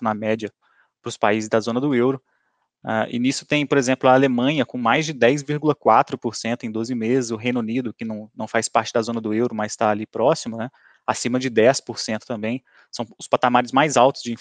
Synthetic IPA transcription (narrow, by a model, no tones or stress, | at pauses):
nɐmɛd͡ʒɐ | pɾʊspa̰izɪzd̪ɐzõnɐd̪ʊewɾʊ | a̰ʔɪ̰nisʊ̥t̪ẽj̃poɾezẽmplʊaːlemɐ̃ɲɐkõmajzd͡ʒɪd̪ɛjzviɾɡulɐkwat̪ɾʊpoɾsẽnt̪ʊẽj̃d̪ozɪmezɪzʊɦẽj̃nʊnid̪ʊkɪnɐ̃w̃nɐ̃w̃fajspaɾt͡ʃɪd̪ɐzõnɐd̪ʊewɾʊmɐzst̪aːlipɾɔsimʊnɛ | asĩmɐd͡ʒɪd̪ɛspoɾsẽnt̪ʊt̪ɐ̃mbẽj̃ | sɐ̃w̃ʊspat̪amaɾɪzmajzawt̪ʊ̥zd͡ʒɪĩ